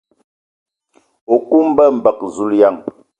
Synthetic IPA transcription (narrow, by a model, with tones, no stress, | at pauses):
o˨ku˦m˦bə˦m̩˨bə˨k̚zu˦lja˦˨ŋ